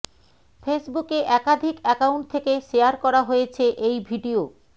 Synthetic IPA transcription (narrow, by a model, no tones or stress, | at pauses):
fesbukeʔɛkad̪ʱikɛkawɳʈ̚t̪ʰekeʃejaɾkɔɾaɦojet͡ɕʰeʔejbʱiɖio